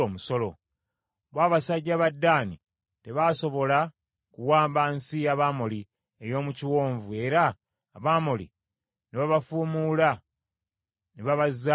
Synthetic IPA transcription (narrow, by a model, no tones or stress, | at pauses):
oːmuso̞lo̞ | βwaːβasaɟːaβadːaːni | te̞βaːso̞βo̞la | kuwaːmbansijaβaːmoli | ejo̞ːmuciwo̞ːɱvue̞ɾaː | βaːmolḭ | neβaβafuːmuːla | neβaβazːa